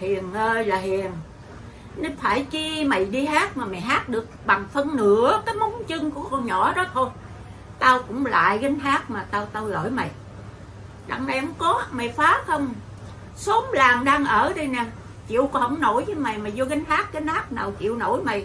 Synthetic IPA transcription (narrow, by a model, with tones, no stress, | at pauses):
hi˨˩əŋəː˧˩laː˨˩ɦi˨˩əŋ | nə˨˦faː˧˩jt͡ɕi˧mə˨˩jɗi˧haː˦˥t̚maː˨˩ma˨˩jɦaː˦˥t̚ɗɨ˨˩ək̚ɓa˨˩ŋfə˧nnɨ˧˨˦əkaː˨˦jmɔ˨˦ŋ͡mt͡ɕɨ˧ŋku˧˩əkɔ˧nɲɔ˧˩ɗɔ˨˦t̪ʰo˧j | t̪aː˧wkʊ̰˧˥ŋ͡mla̰ː˧˨jɣə˨˦ŋ̟ɦaː˦˥k̚maː˨˩t̪aː˧wt̪aː˧wlə̰ː˧˩jma̰˨˩j | ɗa̰˨˧˩ŋna˨jhə˧˦ŋ͡mkɔ˨˦ma˨˩jfaː˨˦xə˧wŋ͡m | so˨˦mlaː˨˩ŋɗaː˧ŋʔəː˧˩ɗi˧jnɛ˨˩ | t͡ɕḭ˧˨əwkɔ˨˩hə˧˦ŋ͡mno̰˧˩jvəː˨˦jma˨˩jmaː˨˩jzɔ˧ɣa˨˧˦ŋ̟haː˦˥t̚ɣa˨˧˦n̟haː˦˥t̚naː˨˩wt͡ɕḭ˧˨əwno˧˩jma˨˩j